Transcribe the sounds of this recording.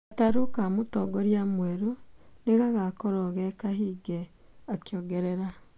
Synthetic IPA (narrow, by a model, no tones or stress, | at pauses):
ataɾokamotɔɡɔɾjamwɛɾoneɣaɣakoɾɔɣɛkahiːɡe | akjoɡeɾeɾa